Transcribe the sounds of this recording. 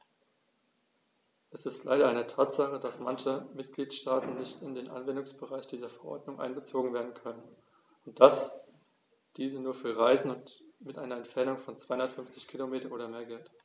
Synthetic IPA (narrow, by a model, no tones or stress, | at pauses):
ʔɛsɪstʰla̰ɪɾɐʔaɪnətʰaːtz̥aχəd̥asmançəmɪtɡ̥liːtʃtaːtn̩nɪçtɪndeːnʔa̰nvɛndʊŋsb̥əʁaɪçd̥iːzɐfɛɐʔɔ̰ɐdnʊŋʔa̰ɪnɡət͡soːɡŋ̩veːɐdn̩kʰœnən | ʊnt̚d̥as | d̥iːzənuːɐfyːɐʁaɪzn̩ʊntmɪtʔaɪnɐɛmtfɛɐnʊŋfɔnt͡sv̥aɪhʊndɐtfʏɱft͡sɪçkʰilomeːtɐʔoːɾɐmeːɐɡɛlt